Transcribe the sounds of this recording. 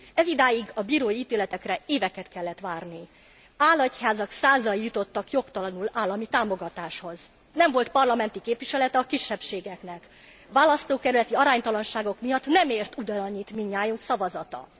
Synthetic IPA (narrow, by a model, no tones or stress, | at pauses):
ɛzid̪aːjiɡɒbiːɾoːiiːt̪eːlɛt̪ɛkrɛeːvɛkɛt̪kɛlːɛt̪ʋaːrni | aːlːɒchaːzɒksaːzɒjijut̪o̞t̪ːɒkjo̞kt̪ɒlɒnulaːlːɒmit̪aːmo̞ɡɒt̪aːʃho̞z | nɛɱvo̞lt̪pɒrlɒmɛn̪t̪ikeːpʋiʃɛlɛt̪ɛɒkiʃːɛpʃeːɡɛknɛk | ʋaːlɒst̪oːkɛɾylɛt̪iɒɾaːɲt̪ɒlɒnʃaːɡo̞kmijɒt̪nɛmeːrt̪ud̪ɒnɒɲːit̪miɲːaːjuŋksɒvɒzɒt̪ɒ̰